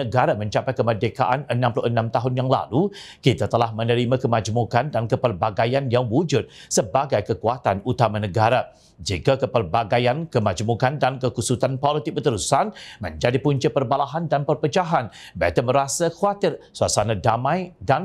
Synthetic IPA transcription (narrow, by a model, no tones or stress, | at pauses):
əɡaɾamə̃ɲt͡ʃapajkəmərdeka̰ʔanənãmplʊʔənãmt̪aɦʊnjaŋla̰lu | kit̪at̪əlahmə̃nəɾimãkəmãd͡ʒmukandankəpərbaɡajanjaŋwud͡ʒʊt̪̚səbaɡajkəkuat̪anut̪amãnəɡaɾa | d͡ʒikakəpərbaɡajankəmad͡ʒmukandankəkusut̪anpɔlit̪ɪk̚bət̪əɾusanmə̰̃ɲd͡ʒadipuɲt͡ʃəpərbalaɦandanpərpəd͡ʒaɦan | bɛ̰t̪əmə̃ɾasakuat̪ɪrsuasanãdamãjdan